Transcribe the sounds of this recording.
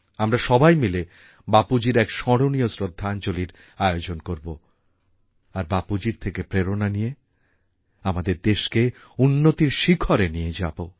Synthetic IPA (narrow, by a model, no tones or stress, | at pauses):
amɾaʃɔbajmile | bapud͡ʑiɾɛkʃɔɽoniosɾod̪ʱːant͡ɕoliɾ | aeod͡ʑonkoɾbo | aɾbapud͡ʑiɾt̪ʰekepɾeɾonanije | amad̪eɾd̪eʃke | unːot̪iɾʃikʰoɾenijed͡ʑabo